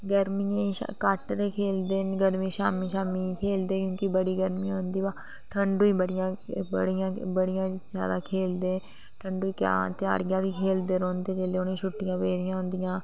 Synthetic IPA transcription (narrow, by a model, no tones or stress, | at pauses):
ɡəɾmiẽːʃkəʈɾeːkʰeːld̪enɡəɾmĩːʃaːmiːʃaːmiːkʰeːld̪eːkjõːkibəɽiːɡəɾmĩːãɦʊ̃nd̪iːʋaː | ʈʰəɳɖuːiːbəɽɪjãːbə̰ɽɪjãːbəɽɪjãːzjaːd̪aːkʰeːld̪ẽː | ʈʰəɳɖuːiːkja̰ːt̪ɪja̰ːɽɪjãːʋiːkʰeːld̪eːɾõːnd̪eːd͡ʒeːleːonẽːʃʊʈːɪjãːʋeːɾɪjãːɦʊ̃nd̪ɪjãː